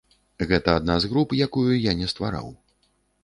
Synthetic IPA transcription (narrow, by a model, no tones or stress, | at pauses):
ɣɛt̪ɐad̪nazɣɾupjakujujanʲɛst̪va̰ɾa̰w